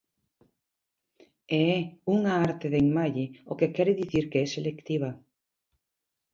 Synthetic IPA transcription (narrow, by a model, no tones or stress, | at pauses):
eɛuŋaaɾt̪eðeiŋmaʎeokekɛɾeðiθiɾkeɛselekt̪iβa